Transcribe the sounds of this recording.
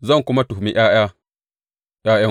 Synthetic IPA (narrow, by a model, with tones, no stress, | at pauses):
zɐ˦ŋku˦ma˦tu˨hmi˦˨ʔj̰a˦ʔj̰a˦ | ʔja˦ja˦